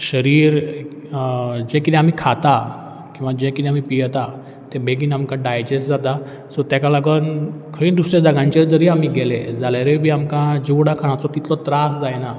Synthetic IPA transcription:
ɕəɾiːɾ | d͡ʑẽkit̪d̪ĩam̤ikʰat̪a | kĩw̃ʋad͡ʑẽkit̪ɛam̤ipijt̪a | t̪ẽbʱeɡiːnamkãɖajd͡ʑesʈd͡zat̪a | sɔt̪jakalaɡənkʰəĩnd̪used͡zaɡãɲt͡ɕeɾd̪əɾiːam̤iːɡɛled͡zaljaɾebʱiːamkãd͡ʑiʋɽakʰaɽ̃at͡sɔt̪it̪lɔt̪ɾasd͡zajna

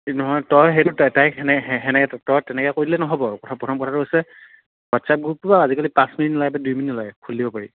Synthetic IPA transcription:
nɔɦɔjtɔjɦetʊtatajɛnɛɛɦɛnɛtɔjtɛnɛkɛkoɹilɛnɔɦɔbɔkɔtʰɔpɹɔtʰɔmkɔtʰatʊɦojsɛ | watsap̚ɡupubaazikalipãsminitɔlajbadujminitɔlajkʰulːibɔpaɹḭ

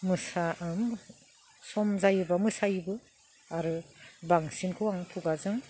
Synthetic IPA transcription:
mɯsaʔɯm | sɔmzajɯbamɯsajbɯ | aɾɯbaŋsinkʰɯwaŋtʰuɡazɯŋ

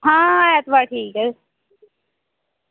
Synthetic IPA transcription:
ɦãːɛːt̪ʋaːʈʰiːkː

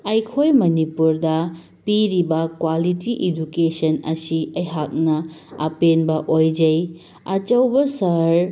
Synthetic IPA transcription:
ɐjkʰojmɐnipuɾdɐ | piɾibɐkwalitiʔidukesɐnɐ̰siɐjɦak̚nɐɐ̰penbɐʔojd͡ʒɐj | ɐt͡ʃɐwbɐsɐɾ

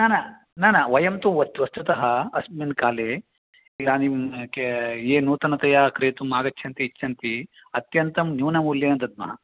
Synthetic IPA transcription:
naːnɐ | naːnɐʋɐjɐmt̪umʋɐst̪ʋɐst̪ut̪ɐɦɐɐsminkaːleː | iɡaːnimkeeːnuːt̪ɐnɐt̪ɐjaːkɾeːt̪umːaːɡɐt͡ʃʰɐnt̪iːt͡ʃʰːɐnt̪i | ɐt̪jɐnt̪ɐmnjuːnɐmuljɐjɐnd̪ɐd̪̚mɐ̰ɦɐ̰

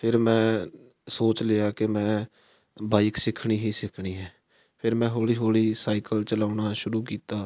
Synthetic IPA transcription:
pʰɪɾmɛ̃ː | soːt͡ʃlɪjaːkemɛ̃ː | baːiksɪkʰɳ̃iːɦiːsɪkʰɳiːɦɛː | pʰɪɾmɛ̃ːɦoːliːɦoːliːsaːɪkəlt͡ʃəlaːʊnaːʃʊɾuːkiːt̪aː

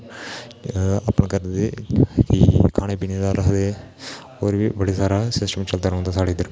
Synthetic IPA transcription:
a̰ːpnːkəɾd̪eːkɪkʰaːneːpiːneːd̪aːɾəkd̪eː | oːɾʋiːbəɽeːsaːɾaːsɪsʈəmt͡ʃəlt̪aːɾəɦõnd̪aːsaːɽeːd̪əɾ

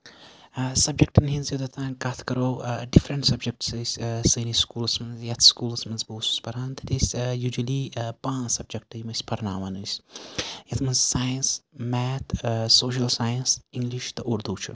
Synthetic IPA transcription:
sɐb̚d͡ʒek̚ʈɐnɦĩnzjɐd̪ɐt̪ʰãːnkɐt̪ʰkɐɾoːɖifɾɐɳʈsɐb̚d͡ʒek̚ʈsɨjsʲsɨːniskuːlsmɐnzjɐt̪ʰskuːlsmɐnzboːsu̥spɐɾãːnt̪ɐʈisjuːd͡ʒɐlipãːnsɐb̚d͡ʒek̚ʈɨjmɐsʲpɐɾna̰ːʋɐnuːsʲ | jɐt̪ʰmɐnzsaːjɐnsmɛːt̪ʰsoːʃ̬ɐlsaːjɐnsiŋɡliʃt̪ɐʔuɾd̪uːt͡ʃʰṵ

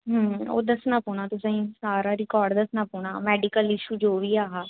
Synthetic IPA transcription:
ɦəːo̰ːd̪əsnaːpuːɳ̃aːt̪ʊsãĩːsaːɾaːɾɪkɔːɾɖd̪əsnaːpuːɽaːmɛːɖɪkəlɪʃuːd͡ʒoːʋiːaːɦaː

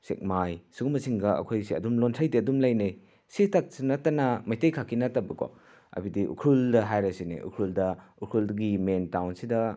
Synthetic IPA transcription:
sḛk̚majsuɡumɐsiŋɡɐɐ̰kʰojsiɐdumlontʰɐjdiɐdumlɐjnej | sitak̚sinɐtːɐnɐmɐjtejkʰakʰːinɐtːɐbɐko̰ | ɐ̰bidiʔṵkʰɾuldɐɦajɾɐsinḭʔṵkʰɾuldɐukʰɾuldɡimentawnsidɐ

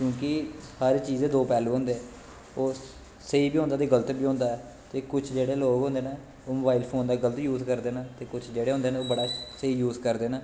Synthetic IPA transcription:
kjõːkɪhəɾːt͡ʃiːzeːd̪oːpɛːluːɦõːnd̪eɛː | oː | səiːbiːõnd̪aːt̪eːɡələt̪biːõːnd̪aːɛː | t̪eːkʊt͡ʃʰd͡ʒeːɽeːloːɡɦõːnd̪eːnaː | oːməbaːilpʰoːnd̪aːɡələt̪juːzkəɾd̪eːnaːt̪eːkʊt͡ʃʰd͡ʒeːɽeːɦʊ̃nd̪eːnãoːbəɽaːsəiːjuːzkəɾd̪eːnaː

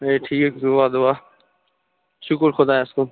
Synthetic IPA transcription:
eːʈʰiːkd̪ʊaːd̪ʊaː | ʃʊkəɾxʊd̪aːeskoː

